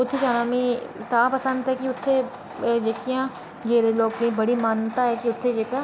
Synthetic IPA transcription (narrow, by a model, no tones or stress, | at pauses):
ʊt̪ʰːed͡ʒaːnamĩt̪apɐsə̃nd̪ɦɛkiʊt̪ʰːe | d͡ʒeːkijã | d͡ʒeːɾeloːɡkẽbɐɽimaːnt̪aɦɛkiʊt̪ʰːed͡ʒeːka